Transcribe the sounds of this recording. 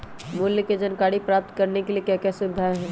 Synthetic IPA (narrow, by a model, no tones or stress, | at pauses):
mʊljəked͡ʒɐnkaːɽipɾaːp̚t̪kɐɾnekeliekjaːkɛsʊd̪ʱaːɦɛ̃ː